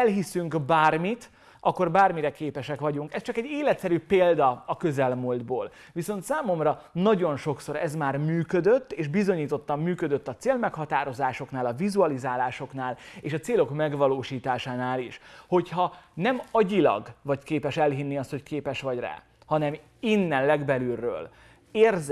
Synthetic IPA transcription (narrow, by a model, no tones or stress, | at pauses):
ɛlɦisyŋkbaːrmit̪ | ɒkːo̞rbaːrmiɾɛkeːpɛʃɛkʋɒɟuŋkɛst͡ʃɒkɛɟːeːlɛt̪sɛɾypeːld̪ɒɒkøzɛlmoːld̪boːl | viso̞nt̪saːmo̞mrɒnɒɟo̞nʃo̞ksoɾɛzmaːrmyːkød̪øt̪ːeːʃbizo̞ɲiːt̪o̞t̪ːɒmːyːkød̪øt̪ːɒt̪seːlmɛkhɒt̪aːɾo̞zaːʃo̞knaːlɒvizuɒlizaːlaːʃo̞knaːleːʃɒt̪seːlo̞kmɛɡʋɒloːʃiːt̪aːʃaːnaːliʃho̞chɒnɛmɒɟilɒ̰ɡvɒckeːpɛʃɛlɦinːiɒst̪ho̞ckeːpɛʃʋɒɟra̰ː | hɒnɛm | inːɛnlɛɡbɛlyrːø̰ːl | eːrz